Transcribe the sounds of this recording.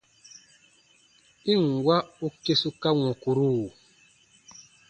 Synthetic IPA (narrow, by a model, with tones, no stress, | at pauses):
i˦˨ŋ˨ɡwa˦u˦ke˦su˦ka˦ŋũ˨ku˨ɾu˦˨